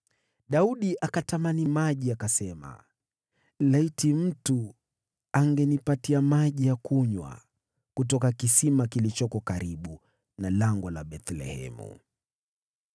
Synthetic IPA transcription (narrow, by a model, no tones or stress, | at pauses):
ɗauɗiʔakatamanimaʄiakasɛma̰ | laitim̩tu | aŋɡɛnipatiamaʄijakuɲwa̰ | kutɔkakisimakilit͡ʃɔkɔkaɾiɓu | nalaŋɡɔla̰ɓɛt̪lɛ̰hɛ̰mṵ